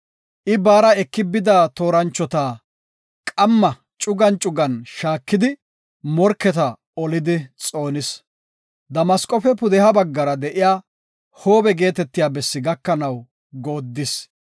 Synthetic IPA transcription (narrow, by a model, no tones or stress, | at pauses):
ʔɪbaːɾɐɛkːɪbɪd̪aːt̪o̞ːɾɐnt͡ʃːɔt̪aː | kʼɐmːɐ | t͡ʃʼʊɡɐnt͡ʃʼʊɡɐnʃaːkːɪd̪ɪ | mɔɾkːɛt̪ɐ | ɔlɪd̪ɪt͡sʼo̞ːnɪs | d̪ɐmɐskʼɔfɛpʊd̪ɛhɐbɐɡːɐɾɐd̪ɛʔɪjaː | hoːbɛɡe̞ːt̪ɛt̪ːɪjaːbɛsːɪɡɐkːɐnɐw | ɡo̞ːd̪ːɪs